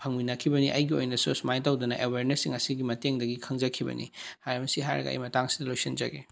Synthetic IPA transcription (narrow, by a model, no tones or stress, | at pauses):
pʰɐŋminɐkʰibɐniʔɐjɡio̰jnɐsusmajtawdɐnɐʔeweɾnesːiŋɐsiɡimɐteŋdɐɡikʰɐŋd͡ʒɐkʰibɐ̰nʔḭhajɾɐbɐsiɦa̰jɾɐ̰ɡɐ̰ɐ̰jmɐtaŋsi̥dɐlojsind͡ʒɐ̰ɡe